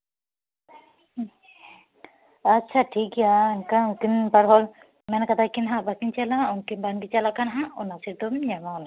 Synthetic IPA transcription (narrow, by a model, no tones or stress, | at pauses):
atːt͡ʃʰaʈʰikɛjakakinpaɾɦɔl | mɛnkad̪akinɦaʔbakint͡ʃalaɔnkinbanɡit͡ʃalaʔkanɦãʔɔnasiɾd̪ɔmɲamala